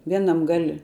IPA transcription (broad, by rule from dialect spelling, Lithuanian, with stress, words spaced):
ˈʋʲiɛnɐm ɡɐlʲ